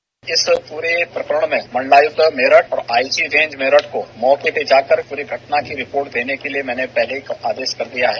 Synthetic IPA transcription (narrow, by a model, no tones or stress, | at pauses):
ɪspuːɾepɾɐkəɾəɽ̃mẽmɐ̃ɳlaːjʊkmeːɾəʈɔːɾaːisiɾẽːɲd͡ʒmeːɾəʈkomɔːkebeːd͡ʒaːkəɾpuːɾiɡʱɐʈnakiɾɪpoːɾʈ̚d̪eːnekeliemɛ̃ːnepɛɦlekaːd̪eːʃkɐɾd̪ijaɦɛː